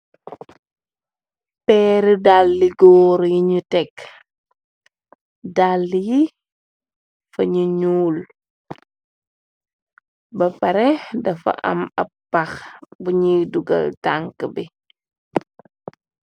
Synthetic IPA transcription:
pɛːɾidalːiɡɔːɾjiɲutɛk | dalːiji | fɐɲuɲuːl | bɐpɐɾɛdɐfɐ̰ʔɐ̰mɐ̰ppːɐxbuɲiːduɡɐ̰ltaŋkəbi

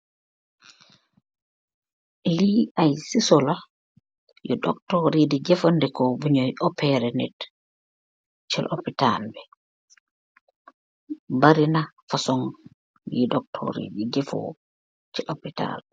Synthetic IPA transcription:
liajsisɔla | jɔɗɔ̰ktɔɾidid͡ʒɛfɔndɛkɔbuɲɔjʔɔpɛɾɛnɛt | t͡ʃɛlʔɔpita̰lbɛ | baɾina | fasɔŋ | iɗɔk̚tʰɔ̰ɾḭdid͡ʒɛfɔ̰ | t͡ʃɛlʔɔpita̰l

